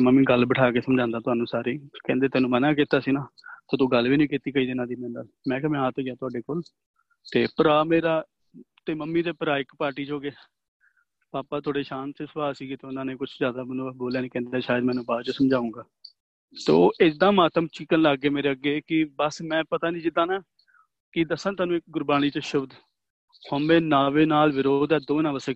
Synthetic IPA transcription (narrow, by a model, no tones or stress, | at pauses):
məmːĩːɡəlbəʈʰaːkeːsəmd͡ʒãːnd̪aːt̪ʊaːnũːsaːɾeːkɛ̃nd̪eːt̪ɛːnũːmənãːkiːt̪aːsiːnaːt̪oːt̪ũːɡəlʋiːnĩːkit̪iːkəiːd̪eːnãːd̪iːmɛ̃ːnd̪aː | mɛ̃ːkɛːmɛ̃ːãːt̪oːɡɪaːt̪ʊaːɖeːkoːl | t̪eːpəɾaːmeːɾaː | t̪eːməmːiːd̪eːpəɾaːɪkpaːɾʈiːt͡ʃɦoːɡeː | paːpaːt̪ʰoːɽeːʃãːnt̪esbaːsiːɡeːt̪eːʊnãːnẽːkʊt͡ʃʰzjaːd̪aːmənõːboːljaːnĩːkɛ̃ːnd̪eːʃaːjəd̪mɛːnũːbaːd̪t͡ʃəsəmd͡ʒaːũːɡaː | t̪o̰ːʔɪd̪ãːmaːt̪əmt͡ʃɪkːənlaɡːeːmeːɾeːəɡːeːkɪbəsmɛ̃ːpət̪aːnĩːd͡ʒɪd̪ãːnaː | kɪd̪əsːãːt̪aːnũːɪk̚ɡʊɾbaːñiːt͡ʃəʃʊbd̪ | hoːmẽːnaːʋeːnaːlʋɪɾoːd̪ɛːd̪oːnãːʋəseː